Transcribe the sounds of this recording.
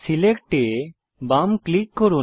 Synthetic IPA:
silekʈe | bamklikːoɾu

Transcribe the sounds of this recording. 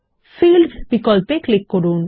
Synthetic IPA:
filɖbikɔlpeklekːoɾũn

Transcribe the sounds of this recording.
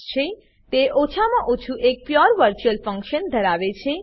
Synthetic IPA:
t͡ʃʰe | t̪eʔot͡ʃʰamãʔot͡ʃʰuʔek̚pjɔɾʋəɾt͡ʃuəlfə̃ŋkʃənd̪ʱəɾaʋet͡ʃʰe

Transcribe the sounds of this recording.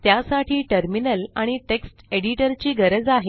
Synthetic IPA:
t̪jasaʈʰiːʈəɾminəlaɽ̃iʈeksʈeɽiʈəɾt͡ɕiːɡəɾəd͡zaɦe

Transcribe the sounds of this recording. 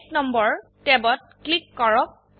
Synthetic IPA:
knɔmbɔɹtɛbɔt̚klikːɔɹɔk̚

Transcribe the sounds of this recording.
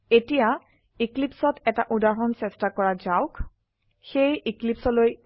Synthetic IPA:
etija | iklipsɔtɛtaʔudaɹɔnsɛstakɔɹazaʊk | xejiklipsɔloj

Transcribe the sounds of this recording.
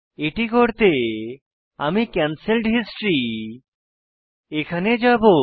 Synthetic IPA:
eʈikoɾt̪e | amikɛnsilɖɦisʈɾi | ekʰaned͡ʑabo

